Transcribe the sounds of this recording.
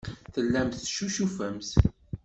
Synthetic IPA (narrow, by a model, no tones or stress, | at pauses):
θəlːæmθʃuʃufæmθ